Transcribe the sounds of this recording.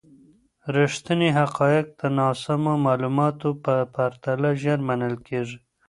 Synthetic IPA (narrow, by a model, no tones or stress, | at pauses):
ɾɪʂt̪əniɦaqɑːjɪq̚d̪anɑsamomɑːlumɑt̪opəpaɾt̪alaʒaɾmanəlkeʐi